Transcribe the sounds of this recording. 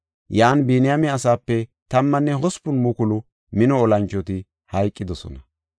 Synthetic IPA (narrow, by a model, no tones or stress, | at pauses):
jaːnbeːnɪjamɛɐsaːpːɛt̪ɐmːɐnːɛɦɔspʊnmʊkʊlʊ | mɪnɔɔlɐnt͡ʃːɔt̪ɪ | hɐjkʼːɪd̪ɔsɔ̰nɐ